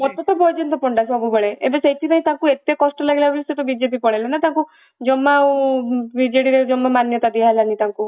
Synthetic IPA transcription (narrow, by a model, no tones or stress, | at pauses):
mɔt̪ɔt̪ɔbɔjd͡ʒɔnt̪ɔpɔɳɖasɔbubɔɭeḛbeseʈʰinaɦĩt̪akuet̪ekɔsʈɔlaɡelabuliset̪ɔbid͡ʒepipɔɽelɔnat̪ãŋku | d͡ʒɔmːa | bid͡ʒeɽiɾed͡ʒɔmːamanjɔt̪ad̪ialanit̪aŋku